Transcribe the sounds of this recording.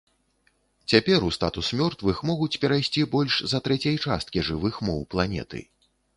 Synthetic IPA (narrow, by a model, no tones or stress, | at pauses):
t͡sʲapʲɛɾust̪at̪usmʲɔrt̪vɨxmɔɣut͡sʲpʲɛɾajsʲt͡sʲibɔlʲʂzɐt̪ɾɛt͡sʲɐjt͡ʂa̰st̪̚kʲiʐɨvɨxmɔwplˠanʲɛ̰t̪ɨ̰